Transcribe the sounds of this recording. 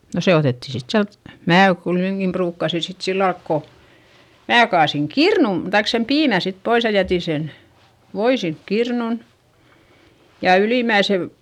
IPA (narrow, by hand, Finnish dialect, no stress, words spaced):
no se oteˑtːi sit siælt mæː kuiteŋkim pruːkːɑsi sit silːɑlk ko mæː kɑːsiŋ kirnum tɑik sem piːmæ sit pois jɑ jætiˑ sen ʋoi sink kirnun jɑ yliˑmæisel